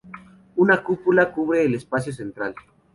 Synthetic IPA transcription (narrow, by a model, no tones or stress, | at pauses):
unakupulakuβɾeːlespas̬jos̬ent̪ɾal